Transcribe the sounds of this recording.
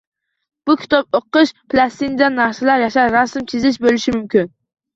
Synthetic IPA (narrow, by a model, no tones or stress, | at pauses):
b̥ukʲʰi̥t̪ʰɑp̚oqːəʃpʰlˠɑst̪inɪd̪ɛnːɑsɨlˠɑɾjɑʃɑɾɑsɨmt̪ʰizɪʃbølˠɪʃimymkʲyn